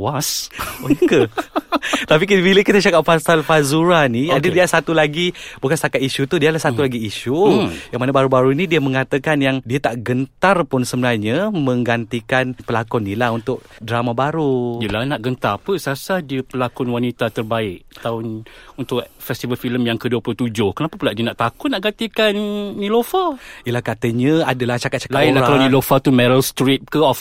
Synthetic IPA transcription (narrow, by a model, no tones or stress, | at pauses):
wasojəkə | t̪ap̬ikibiləkit̪ət͡ʃakapfasalfazuɾaniadədialsat̪ulaɡibukanst̪akat̪iʃut̪udiəlahsat̪ulaɡiːʃujaŋmanabaɾubaɾuinidiəmə̃ŋat̪əkanjaŋdiat̪aʔɡənt̪arpʊnsəmənaɲəmə̃ŋɡant̪ikanpəlakɔnːilaɦunt̪ʊk̚dɾamabaɾuiəlahnaʔɡənt̪aɾpəsasahdiəpəlakɔnwanit̪at̪ərbaɪʔ̚t̪aʊnunt̪ʊʔfɛst̪ivəlfiləmjaŋkəduəplʊt̪ud͡ʒʊhkənapapulaʔdiənaʔt̪akʊnaʔɡant̪ikanːilofaiəlahkat̪əɲəadəlaht͡ʃakat̪̚t͡ʃḁkainlahakalawnilofat̪umɛɾəlst̪ɾit̪̚kəɔf